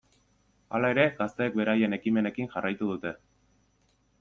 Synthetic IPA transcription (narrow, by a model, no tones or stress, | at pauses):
a̰lae̞ɾe̞ɡast̪e̞ːk̚be̞ɾaje̞ne̞kime̞ne̞kiŋʝarajt̪uð̞ut̪e̞